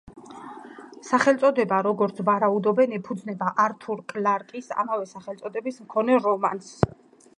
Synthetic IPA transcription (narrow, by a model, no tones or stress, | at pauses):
saχɛlt̪sʼɔd̪ɛbaɾɔɡɔɾt̪sʰvaɾaud̪ɔbɛnipʰud̪znɛbaʔaɾt̪ʰuɾkʼlaɾkʼisa̰mavɛsaχɛlt̪sʼɔd̪ɛbismkʰɔnɛɾɔmans